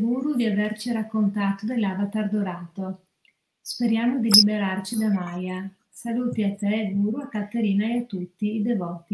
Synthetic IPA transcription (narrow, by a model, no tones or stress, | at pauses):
ɡuːɾud̪iavert͡ʃiɾakːont̪aːt̪od̪elːaːbat̪ard̪oɾaːt̪o | speɾjaːmod̪ilibeɾart͡ʃid̪amaja | salut̪iat̪ɛɡuːɾuakːat̪ːeɾiːnaeat̪ːut̪ːiːd̪evɔːt̪i